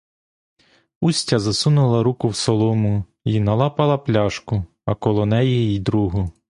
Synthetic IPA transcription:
usʲtʲɐzɐsunʊlˠɐɾukʊwsɔlˠɔmʊ | inɐlˠɑpɐlˠɐplʲɑʃkʊ | ɐkɔlˠɔnɛjɛjid̪ɾuɦʊ

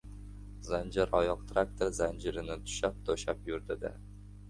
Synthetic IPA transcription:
zand͡ʒaɾɒjɒqt̪ʰɾak̚t̪ʰeɾzand͡ʒɪɾɪnɪt̪ʰʊ̥ʃap̚t̪ʰoʃapjʊɾd̪ɪd̪ɪ̰

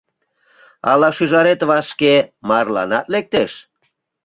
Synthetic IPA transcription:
ɑ̰lɑʃyʒɑɾet̪βɑʃkemɑrlɑ̰nɑt̪lek̚t̪eʃ

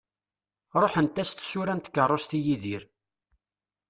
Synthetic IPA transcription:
ɾˤoħənt̪ːæst̪sʊɾænt̪ə̥kːərˤːost̪ijiðiɾ

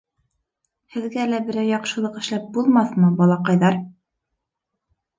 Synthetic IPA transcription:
hɘ̆ðɡælæbɘ̆ɾæwjɑqʃɤ̆lˠɤqɘ̆ʃlæp̚bulˠmɑθmɤbɒlˠɑqɑjðɑɾ

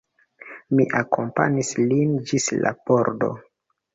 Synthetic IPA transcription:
miʔakompa̰ɲislind͡ʒisla̰boɾdo̞̰

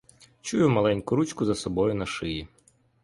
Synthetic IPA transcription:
t͡ʃujʊmɐlˠɛnʲkʊɾut͡ʃkʊzɐsɔbɔjʊnɐʃɪji

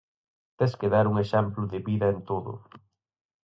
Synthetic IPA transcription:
t̪eskeðaɾuŋeʃɛmplʊðɪβiðɐent̪oðʊ̰

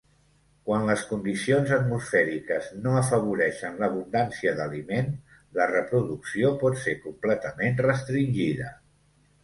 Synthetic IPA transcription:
kwanləskund̪isionzət̪musfɛɾikəznoəfəβ̞uɾɛʃənləβ̞und̪ansiəðəlimen | lərəpɾuðuksiopɔt̪seɾkumplɛt̪əmenrəst̪ɾinʲʒiðə

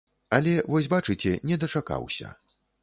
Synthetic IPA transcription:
ɐlʲɛvɔsʲbat͡ʂɨt͡sʲɛnʲɛd̪ɐt͡ʂaka̰wsʲɐ̰

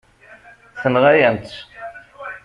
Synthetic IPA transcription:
θənʁajænt̪

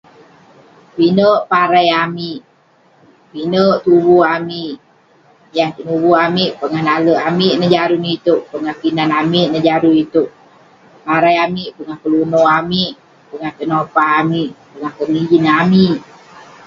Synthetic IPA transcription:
pinəʔpaɾajamiʔ | pinəʔt̪ubuamiʔ | jaŋt̪ənubuamiʔpəŋanaləʔamiʔnəd͡ʒaɾunit̪uʔpəŋahpinanamiʔnəd͡ʒaɾuit̪uʔ | paɾajamiʔpəŋahkəlunoamiʔ | pəŋaht̪ənopaɦamiʔpəŋahkənid͡ʒinamiʔ

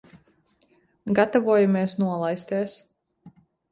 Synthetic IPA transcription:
ɡat̪avuɔjameɛsnuɔlˠajst̪ɛːs

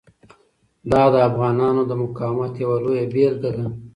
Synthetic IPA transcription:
d̪ɑd̪əafɣɑnɑnod̪əmʊkɑwmat̪jawalojabeɾd̪ad̪a

